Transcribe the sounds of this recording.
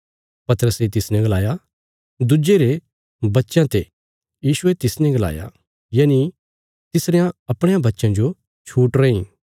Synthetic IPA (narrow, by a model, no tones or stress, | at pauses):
pɐt̪əɾəset̪ɪsnɛ̃ɡɐlaːja | d̪ʊd͡ʒeɾe | bɐtːʃãt̪e | jiːʃʊet̪ɪsnɛ̃ɡɐla̰ːja̰ | jaːni | t̪ɪsɾejãɐpɽ̃ẽjãbɐtːʃãd͡ʒo | t͡ʃʰuːʈɾɐĩ